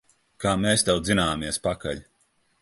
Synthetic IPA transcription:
kaːmeːst̪awd̪zinaːmiɛspaka̰ʎʲ

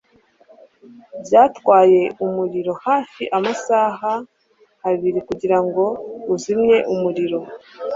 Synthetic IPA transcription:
bjaːtwaːje̞umuɾiɾo̞haːfiʔamasaːɦa | haβiɾikuɟiɾaŋɡo̞uzimɲe̞ʔumuɾiɾo̞

